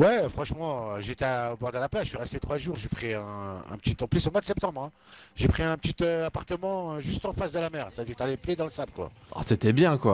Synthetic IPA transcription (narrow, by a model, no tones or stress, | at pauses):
wɛfχɑ̃ʃmɑ̃ʒet̪ɛaobɔʁd̪əlaplazʃɥiʁɛst̪et̪χwaʒuːʁʒepχiɛ̃ɛ̰̃pə̥t̪it̪ɑ̃plisomwad̪əsɛp̚t̪ɑ̃bʁɛ̃ | ʒepχiɛ̃pət̪it̪øapaʁt̪əmɑ̃øʒyst̪ɑ̃fasd̪əlamɛʁse̥t̪ad̪iːʁt̪alɛpjed̪ɑ̃ləsabkwa̰ | a̰set̪ɛbjɛ̃kwa